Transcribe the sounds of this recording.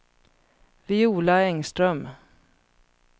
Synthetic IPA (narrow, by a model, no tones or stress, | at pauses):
vɪuːlaɛŋst̪ɾœm